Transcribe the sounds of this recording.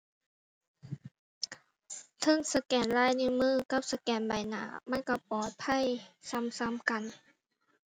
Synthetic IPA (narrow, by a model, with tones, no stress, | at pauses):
t̪ʰɤ˧˨ŋsa˧kɛː˨˩nlaː˧˥˨jni˧˨mɯː˧˥˩ka˧˥p̚sa˧˦kɛː˨˩nba˨˩jna̰ː˨˩˦ma˧˥˨nka˧˩pɔː˨˩t̪̚pʰa˧˥˨jsa˧˥˨msa˧˥˨mka˨n